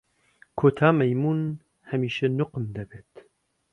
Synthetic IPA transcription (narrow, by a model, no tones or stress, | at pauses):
kʰoːt̪ʰaːmɐjmuːn | hɐmiːʃɐnʊqmd̪ɐbeːt̪